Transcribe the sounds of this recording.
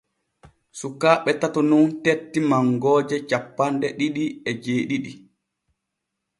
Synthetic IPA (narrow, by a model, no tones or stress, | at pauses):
sukːaːɓɛtatɔnuntetːimaŋɡɔːd͡ʒɛt͡ʃapːandɛɗiɗiɛd͡ʒeːɗiɗi